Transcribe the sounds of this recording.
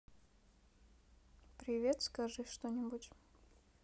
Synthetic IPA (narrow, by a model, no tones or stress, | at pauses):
pɾʲɪvʲet̪skɐʐɨʂt̪onʲɪbutʲ